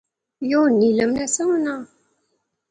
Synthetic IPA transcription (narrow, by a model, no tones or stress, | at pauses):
jonːiləmnæsæwnə